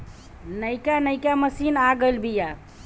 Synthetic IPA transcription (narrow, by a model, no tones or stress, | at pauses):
nəjkanəjkaməsinaɡəlbija